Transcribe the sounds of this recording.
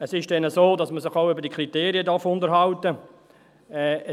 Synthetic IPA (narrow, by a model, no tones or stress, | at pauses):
ɛsɪʃd̥ɛnəsoːdɑsməsɪχaʊʏbəɾd̥iəkʰɾiteːɾiədɑɾfʊntəɾɦɑwtə | ɛ